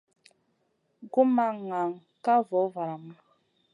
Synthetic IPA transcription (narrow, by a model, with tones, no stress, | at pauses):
ɡu˦ma˨ŋa˨ŋ | ka˦vɔ˨˦va˨ɾa˨ma˦